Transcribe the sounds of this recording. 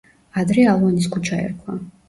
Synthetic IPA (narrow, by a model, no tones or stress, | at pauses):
ad̪ɾɛalˠɔnis̬kʰut͡ʃʰaɛ̰ɾkʰla̰